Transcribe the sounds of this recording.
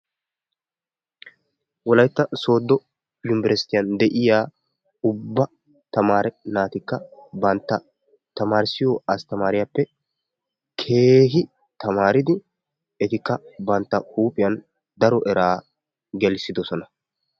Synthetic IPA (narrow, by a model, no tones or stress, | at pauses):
wɔlɐjt̪ːɐso̞ːd̪ːɔ | jʊmbɾɛst̪ɪjɐnd̪ɛʔɪjaː | ʊbːɐ | t̪ɐmaːɾɛnaːt̪ɪkːɐbɐnt̪ːɐ | t̪ɐmaːɾɪsɪjɔɐst̪ɐmaːɾɪjapːɛ | kʰeːɦɪ | t̪ɐmaːɾɪd̪ɪ | ɛt̪ɪkːɐbɐnt̪ːɐhuːpʼɪjɐn | d̪ɐɾɔʔɛɾʔaː | ɡɛlsɪd̪ɔsɔnɐ